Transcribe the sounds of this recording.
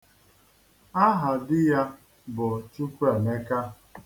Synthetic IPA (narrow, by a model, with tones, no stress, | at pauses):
a˦ɦa˨dɪ˦ja˦ | bʊ˨t͡ʃu˦kʷu˦e˨ne˦ka˦